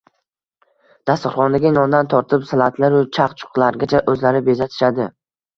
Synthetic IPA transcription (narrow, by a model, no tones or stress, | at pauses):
d̪̥ast̪ɪɾχɒnd̪aɡʲanɒnd̪ant̪ʰɒɾt̪ʰɪpsalˠat̪ʰlaɾʊt͡ʃʰaqt͡ʃʰʊ̥qlˠaɾɡʲat͡ʃʰaʔɵzlaɾɪbezat̪ʰɪ̥ʃad̪ɪ